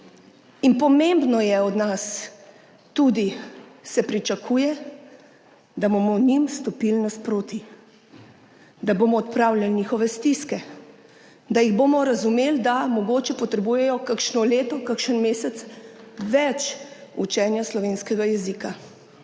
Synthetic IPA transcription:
inpɔmembnɔjɛɔd̪nas | t̪ud̪isɛpɾit͡ʃakʰuːjɛ | d̪abomɔnimst̪ɔpilnaspɾoːt̪i | d̪aboːmɔːt̪̚pɾawlʲjalɲixɔʋɛst̪iskɛ | d̪ajiɣboːmɔɾazumeːld̪amɔɡoːt͡ʃɛpɔt̪ɾɛbuːjɛjɔkakʃnɔleːt̪ɔkakʃənmeːsɛt̪sʋɛt͡ʃut͡ʃɛnjaslɔʋeːnskɛɡajɛzika

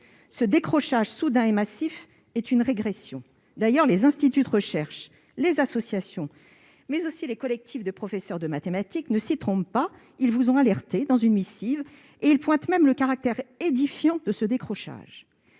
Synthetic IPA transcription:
səd̪ekχɔʃaʒsud̪ɛ̃emasif | ɛt̪ynʁeɡʁesjɔ̃ | d̪ajœʁlezɛ̃st̪it̪yd̪əʁəʃɛʁʃ | lezasɔsjasjɔ̃ | mɛzosilekɔlɛk̚t̪ʰifd̪əpχɔfɛsœʁd̪əmat̪emat̪iknəsit̪χɔ̃ppa | ilvuzɔ̃alɛʁt̪ed̪ɑ̃zynmisiv | eilpwɛ̃t̪mɛmləkaʁak̚t̪ɛʁed̪ifjɑ̃d̪əsəd̪ekχɔʃa̰ʒ

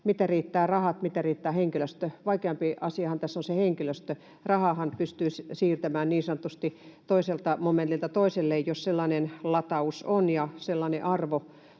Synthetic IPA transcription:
mit̪æriːt̪ːæːrɑhɑt̪mit̪æriːt̪ːæːheŋkiløst̪øʋɑikeɑmpiʔɑsiɑhɑnt̪æsːonseheŋkiløst̪ø | rɑhɑhɑnpyst̪yːssiːrt̪æmæːnniːnsɑnot̪ːust̪it̪oiselt̪ɑmoment̪ːilt̪ɑt̪oiselːeijjosselːɑnenlɑt̪ɑusonjɑselːɑˑneʔɑrʋo

